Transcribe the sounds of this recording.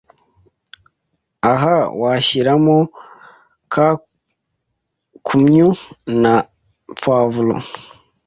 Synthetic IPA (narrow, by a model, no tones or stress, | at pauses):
aɦawaçiɾamo | kʰa | kʰumɲuna | p͡fwavulo̰